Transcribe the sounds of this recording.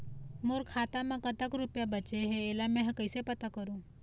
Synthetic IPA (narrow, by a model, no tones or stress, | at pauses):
moɾkʰaːt̪amãkət̪akɾupjabət͡ʃeɦeːlamẽɦkəjsepət̪akəɾũː